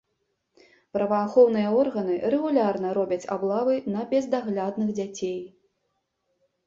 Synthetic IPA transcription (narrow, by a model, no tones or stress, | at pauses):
pɾɐvɐːxɔwn̪ɨjɐɔrɣɐnɨɾɛɣulʲarnɐɾɔbʲɐt͡sʲablˠavɨnɐbʲɛzd̪aɣlʲad̪nɨɣd͡zʲat͡sʲej